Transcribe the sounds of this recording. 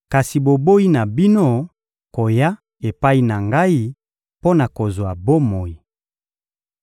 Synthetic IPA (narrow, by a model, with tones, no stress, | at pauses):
ka˨si˨bo˨bo˦i˦na˨bi˦no˦ | ko˨ja˦ | e˨pa˦i˦na˨ŋɡa˦i˦ | po˦na˨ko˨zwa˨bo˦mo˨ji˨